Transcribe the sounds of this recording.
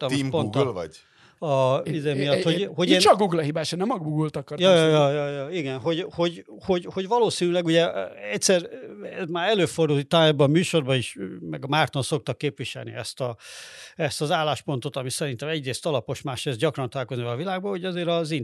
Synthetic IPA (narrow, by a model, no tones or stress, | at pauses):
t̪ɒmiɡpont̪lvɒɟ | ɒid̪eːmijɒt̪ːhoho̞ɟeːnɒɡuɡlɒɦibaːʃɛnɛmɒɡbuɡult̪ɒkɒrjɒjjɒjɒjɒiɡɛnɦo̞ɟho̞ɟ | ho̞ɟho̞ɟʋɒloːsinylɛɡuɟɛɛcsɛrɛzmaːɾɛløːfo̞rd̪uːt̪aːɛbɒmyːʃo̞rbɒiʃmɛɡɒmaːrt̪onso̞k̚t̪ɒkːeːpʋiʃɛ̰lnḭɛst̪ɒ | ɛst̪ɒzaːlːaːʃpo̞nt̪o̞t̪ɒmisɛɾint̪ɛmɛɟreːst̪ɒlɒpo̞ʃmaːʃreːzɟɒkrɒnt̪ɒlaːlkoznivɛlɒvilaːɡ̚bɒho̞ɟɒzeːɾɒzin